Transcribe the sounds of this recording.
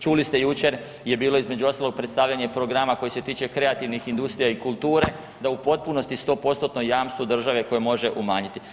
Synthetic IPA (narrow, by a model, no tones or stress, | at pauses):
t͡ʃulist̪ejut͡ʃe̞ɾ | je̞biːlˠo̞izme̞d͡ʑuo̞st̪aloɡ̚pɾet̪st̪aːʋʎaɲe̞pɾo̞ɡɾamako̞jese̞t̪iːt͡ʃe̞kɾe̞at̪iʋnixind̪ust̪ɾijaikulˠt̪uːɾe̞ | d̪aupo̞t̪̚puno̞st̪ist̪o̞ːpo̞st̪ot̪nojaːmst̪ʋod̪r̩ʒaʋe̞ko̞jemo̞ʒe̞ʔumaːɲit̪i